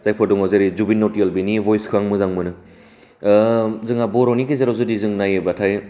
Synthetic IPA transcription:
zajpʰɔduŋawzeɾizubinːɔtialbinibɔjskʰɯaŋmɯzaŋmɯnɯ | zɯŋabɔɾɔnikizaɾawzudizɯŋnajebatʰaj

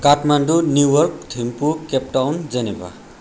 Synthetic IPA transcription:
kaʈʰmanɖunjuwʌrk̚t̪ʰimpukep̚ʈawnd͡zʌneba̰

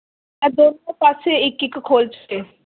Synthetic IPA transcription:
ɛd̪oːnõpaseɪkːɪkkʰoːlt͡ʃə̥keː

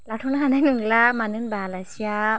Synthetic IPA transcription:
latʰɔwnahananɯŋlamanɯnbalasia

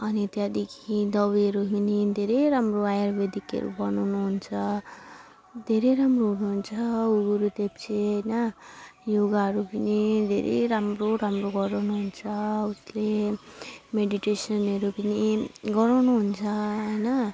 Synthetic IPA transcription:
ʌnit̪jad̪ekʰid̪ʌwiʌɾuɦinid̪ʱeɾejɾamroajarbed̪ikʌ̰ɾṵbʌnawnuɦunt͡sʰʌ | d̪ʱeɾeɾamroɦunuɦunt͡sʰʌuɡuɾut̪ept͡sʰeɦʌjnʌjoɡaɦʌɾupʌnid̪ʱeɾʔḛɾamroɾamroɡʌɾawnuɦunt͡sʰʌusle | meɖiʈesʌnʌɾupiniɡʌɾawnuɦunt͡sʰʌɦʌjnʌ

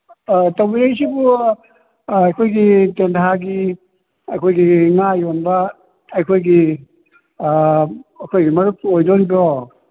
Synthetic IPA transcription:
tɐwbiɾejsibu | ɐjkʰojɡitentʰaɡi | ɐjkʰojɡiŋajonbɐː | jkʰojɡi | ɐkʰojɡimɐɾuk̚ojdonbɔ

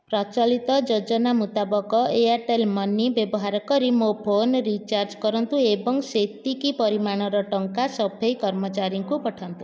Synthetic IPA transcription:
pɾɔt͡ʃalit̪ɔd͡ʒod͡ʒɔnamut̪abɔkɔeaɾʈelmɔnːibjebɔɦaɾɔkɔɾimopʰonɾit͡ʃaɾd͡ʒkɔɾɔnt̪uebɔŋset̪ikipɔɾimaɽ̃ɔɾɔʈɔŋkasɔbʱejkɔɾmɔt͡ʃaɾjɔŋkupɔʈʰant̪u

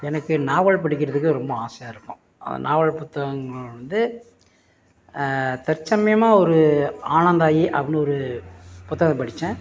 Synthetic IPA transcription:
ɛnɐkːɯnaːʋɐɭpɐɽɪk̬ʲːɪɾɐðɯk̬ːɯɾɔmbɐaːsɐjaːɪɾɯpːõ̰ː | ɐ̰ðɐ̰naːʋɐɭpʊt̪ːɐɣɐŋɡɐɭʋɐnd̪ɯ | t̪ɛɾt͡ʃːɐmɐjɐmaːɔɾɯaːɳɐnd̪aːjiʔɐʋɐnɯɔɾɯpʊt̪ːɐɣɐpɐɽɪt͡ʃːɛ̃ː

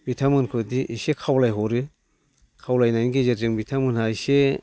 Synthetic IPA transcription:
bitʰamɯnkʰɯdiʔːsekʰawlajɦɔɾɯ | kʰawlajnajnɡezeɾzɯŋbitʰamɯnhajse

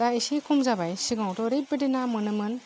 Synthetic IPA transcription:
aisikʰumzabajsiɡawtɔɾep̚bedenamɯnɯmɯn

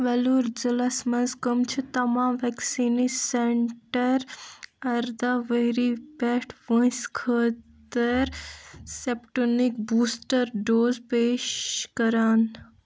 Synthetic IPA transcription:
ʋɛluːɾd͡ʒəlɐsmɐzkɐmt͡ʃʰut̪ɐmãːʋɛksiːniseɳʈəɾɐɾd̪aʋəɾipɛʈʰʋə̃skʰəːt̪əɾsepʈonik̚buːsʈəɾɖoːzpeːʃkəɾaːn

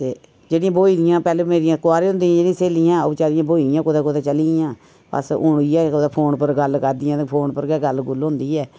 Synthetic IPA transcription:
t̪eː | d͡ʒeːɽɪjãːboːid̪ɪjãːpɛːlemeːɾɪjãːkʊaːɾeːɦʊ̃nd̪iãːd͡ʒeːɽĩaːseːlijãːoːt͡ʃaːdɪjãːboːiːd̪ɪjãːkod̪aːkod̪aːt͡ʃəliːɪjãː | pə̰sʊ̰ɳiːɛːkod̪aːpʰoːɳpəɾɡəlkəɾd̪ɪjãːpʰoːnpəɾɡɛɡəlɡʊlɦʊ̃nd̪iːɛː

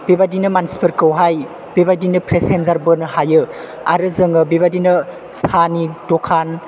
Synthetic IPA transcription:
bebadinɯmansi̥pʰɯɾkəwɦaj | bebadinɯpɾesenzaɾbɯnɯhajɯ | a̰ɾɯzɯŋɯbeβadinɯ | sanidɔkʰan

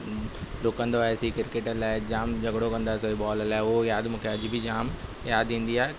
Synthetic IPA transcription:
loːkːɐ̃nd̪oaesikɪɾkeːʈəlaːɪd͡ʑaːmd͡ʑʱɐɡɽokɐ̃nd̪aːesoiɓɔːllaːɪʊɦojaːd̪mũːkʰeɐd͡ʑbʱid͡ʑaːm | jaːd̪ĩːn̆d̪iaːe

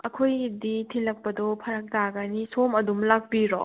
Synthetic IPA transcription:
ɐkʰojditʰilɐk̚pɐdɔpʰɐɾɐk̚taɡanisomɐdumlak̚piɾɔ̰

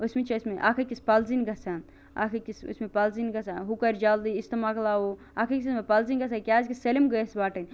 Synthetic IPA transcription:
osmet͡ʃʰɐsmeʔakʰɐkʲispalzinɡɐsan | a̰kʰɐkʲiso̰smepalzinɡɐsaɦukɐɾd͡ʒaːld̪iist̪ɐmaklaːo | akʰɐkʲissmepɐlzinɡɐsakʲaːzkiselimɡɐsbaːʈɐnʲ

